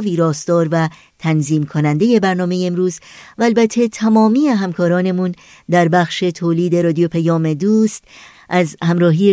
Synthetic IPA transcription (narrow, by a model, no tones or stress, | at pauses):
viːɾɒːsd̪ɒːɾvæ | t̪ʰænziːmkʰonænd̪e̞je̞bæɾnɒːmejeːmɾuːzvæːlbæt̪ʰːet̪ʰæmɒːmiːeɦæmkʰɒːɾɒːne̞mun | d̪æɾbæxʃe̞t̪ʰoːliːd̪e̞ɾɒːd̪ijopʰæjɒːme̞d̪uːst̪ | ʔæzhæmɾɒːɦiːe